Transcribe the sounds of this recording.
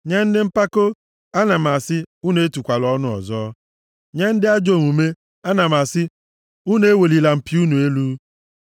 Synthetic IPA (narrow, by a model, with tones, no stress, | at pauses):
ɲa˦n̩˦dɪ˦m̩˦pa˦ko˦ | a˦na˨ma˨sɪ˦u˦n˨e˦tu˨kʷa˨lɔ˦nʊ˦ɔ̰˨zɔː˦ | ɲa˦n̩˦dɪ˦a˦d͡ʒo˨ŋu˨me˦ | a˦na˨ma˨sɪ˦ | u˦n˦e˦we˨li˨la˨m̩˨pi˦u˦nu˨e˦lu˦